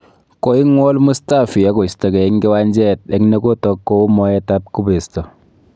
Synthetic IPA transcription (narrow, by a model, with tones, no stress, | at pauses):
ko˦i˦ŋwɔ˦lmu˦sta˦˨fi˨a˦ko˨stɔ˨kɛ˨i˦ŋke˦wa˦ɲd͡ʒɛ˦˨t̚ɛ˦ŋne˦ko˦tɔ˦kːo˦mɔ˦ɛ˦ta˦p̚ku˦be˨stɔ˨